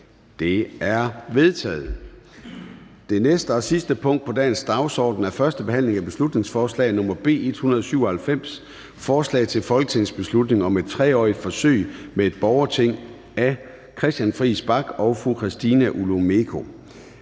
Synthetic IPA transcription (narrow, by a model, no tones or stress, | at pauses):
d̥e̝æɐʋe̝ðˠt͡sʰɛ̰ːð̩ˠ | d̥e̝nesd̥əɒ̽sisd̥əpʰɔ̽ŋ̰d̥pʰɒ̽d̥ɛ̰ːnsd̥ɑ̈ʊsɒ̰ːd̥n̩æɐfɶɐsd̥əb̥e̝hæn̰le̝ŋæb̥e̝slud̥ne̝ŋsfɒːslɛ̰ɪnɔ̽mɐb̥e̝̰ːe̝d̥hunɐðˠsyʊ̰ɐhælfem̰s | fɒːslɛ̰ɪt͡sʰe̝lfɒ̽lɡ̥ət͡sʰen̩sb̥e̝slud̥ne̝ŋɒ̽me̝d̥̚t͡sʰʁɛːɒ̰ːid̥fɒ̽sø̰ɪ̰mee̝d̥̚b̥ɒʊɐt͡sʰe̝ŋ̰ | æ | kʰʁɛsd̥jænfʁiːsb̥ɑ̈ɡ̥ɒ̽ʊfʁukʰʁisd̥iːnæʔulome̝kʰo̝